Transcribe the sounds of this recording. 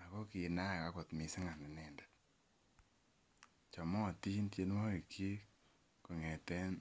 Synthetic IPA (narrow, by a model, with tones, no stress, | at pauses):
a˨ko˦ki˨na˦˨ka˨˦kɔ˨tmɪ˨sɪ˦ŋa˨nɪ˨nɛ˨nda˦ | t͡ʃɔ˨mɔ˦˨ti˦nte˧nwɔ˦e˨kʰi˦ | ko˨ŋɛ˨tɛ˦n